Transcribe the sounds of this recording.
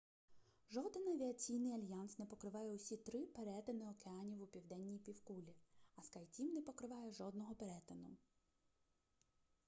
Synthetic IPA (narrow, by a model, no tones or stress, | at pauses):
ʒɔd̪enɐʋʲiɐt͡sʲijnɪjɐlʲjɑnsnɛpɔkɾɪʋɑjɛʊsʲit̪ɾɪpeɾɛt̪enɪɔkeɑnʲiwupʲiwd̪ɛnʲːijpʲiwkulʲiɐskajtʲimnɛpɔkɾɪʋɑjɛʒɔd̪̚nɔɦɔpeɾɛt̪enʊ̰